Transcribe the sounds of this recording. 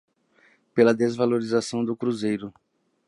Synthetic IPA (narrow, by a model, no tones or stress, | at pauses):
pelɐd̪ezvaloɾizasɐ̃w̃d̪ʊkɾuzejɾʊ